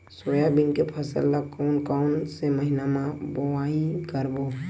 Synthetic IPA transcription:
soːjabɪnkepʰəsə̰lːakoːnkaʊnseməɦinamãboaːikəɾbo

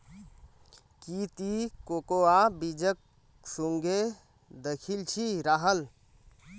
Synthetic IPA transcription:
kit̪ikokoabid͡ʒək̚ | suŋɡʱe | d̪əkʰilt͡ʃʰiɾaɦəl

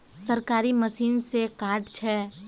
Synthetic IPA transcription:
səɾkaːɾiməsiːnsekaːɾʈt͡ʃʰɛː

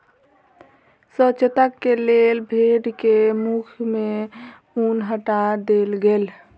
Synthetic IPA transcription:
sət͡ʃət̪əkːelelbʱeɖkemukʰme | unɦəʈad̪elɡel

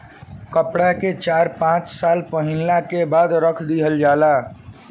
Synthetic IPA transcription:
kəpɽaket͡ʃaːɾpãːt͡ʃsaːlpəɦɪlːakebaːd̪ɾəkʰd̪iɦəld͡ʒaːlaː

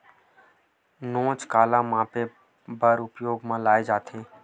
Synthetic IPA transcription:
nõːt͡ʃkaːlãːmãːpeː | bʱəɾʊpjoːɡmãːlaːed͡ʒaːt̪ʰeː

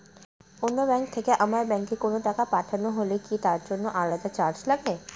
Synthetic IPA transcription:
onːobɛŋkt̪ʰekeʔamaɾbɛ̃ŋkikonoʈakapaʈʰanoɦolikit̪aɾd͡ʒonːoʔaɭat̪at͡ɕaɾd͡ʑlaɡe

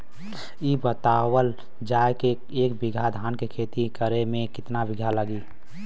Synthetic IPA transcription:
ibət̪awəl | d͡ʒajke | eːkbɪɡʱad̪ʱaːnkekʰeːt̪ikəɾemẽkɪt̪nabɪɡʱaləɡi

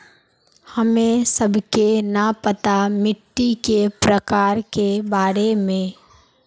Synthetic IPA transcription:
həmẽsəbʱkenapət̪amɪʈːikepɾəkaːɾkebaːɾemẽː

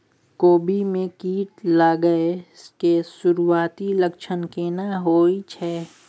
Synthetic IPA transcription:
koːbimẽkiːʈlaːɡəeskesʊɾuaːt̪iləkʃʰənkeːnaɦoːit͡ʃʰɛː

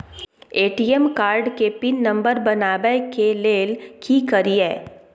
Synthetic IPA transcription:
eːʈiːɛmkaːɾɖkepinːɐ̃mbəɾbɐnaːbekeleːlkʰikəɾiɛː

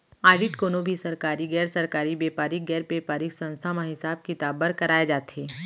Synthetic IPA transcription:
aːɖiʈkoːnobʱisɐɾkaːɾiɡɛːɾsɐɾkaːɾibeːpaːɾɪk̚ɡɛːɾpeːpaːɾɪksɐ̃nst̪ʰamãɦɪsaːb̚kit̪aːbəɾkɐɾaːed͡ʒaːt̪eː

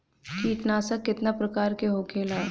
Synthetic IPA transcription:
kiːʈnaːsakːɪt̪napɾɐkaːɾkeɦoːkʰeːlaː

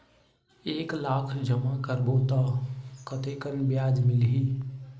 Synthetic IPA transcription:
eːklakʰd͡ʒəmakəɾbot̪ɔkət̪ekənbjaːd͡ʒmɪlɦi

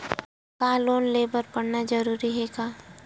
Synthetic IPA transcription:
kaːloːnleːbəɾpɐɽnad͡ʒəɾuːɾiɦɛːɡaː

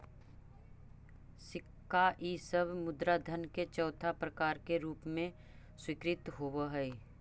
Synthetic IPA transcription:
sɪkːaʔiːsəbmʊd̪ɾad̪ʱənket͡ʃɔːt̪ʰapɾəkaːɾkeɾuːpmẽ | swɪkɾɪt̪ɦoːwəɦɛi

